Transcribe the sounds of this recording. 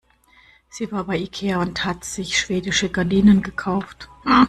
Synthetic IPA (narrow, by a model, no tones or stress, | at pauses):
z̥iːvaːɐbaɪikʰeːaʊnthatz̥ɪçʃv̥eːdɪʃəɡaɐdiːnənɡəkʰaʊft